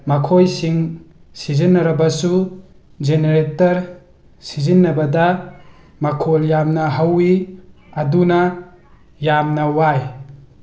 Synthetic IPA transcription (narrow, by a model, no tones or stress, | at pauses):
mɐkʰojsiŋ | sizinːɐɾɐbɐsu | d͡ʒeneɾetɐɾ | sizinːɐbɐdɐ | mɐkʰoljamnɐɦɐwiɐdunɐ | jamnɐwaj